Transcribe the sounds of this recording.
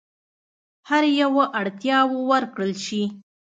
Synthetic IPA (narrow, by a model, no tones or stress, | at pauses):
haɾjawoʔaɽt̪jɑwowəɾkɽəlʃi